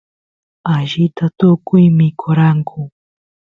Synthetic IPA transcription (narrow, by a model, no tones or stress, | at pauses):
aʒɪt̪at̪ʊkʊjmɪkʰʊɾaŋkʰʊ